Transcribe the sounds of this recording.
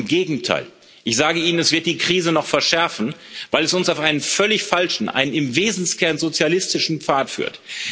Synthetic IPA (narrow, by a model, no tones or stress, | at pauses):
mɡeːɡŋ̩tʰa̰ɪl | ʔɪçz̥aːɡəiːnənɛsv̥ɪɐt̚d̥iːkʁ̥iːzənɔχfɛɐʃɛɐfn̩vaɪlɛsʊnsaʊfʔaɪnənfœlɪçfalʃn̩ʔa̰ɪnənɪmveːzn̩skʰɛɐnzot͡sjalɪstɪʃn̩pp͡faːtfy̰ːɐt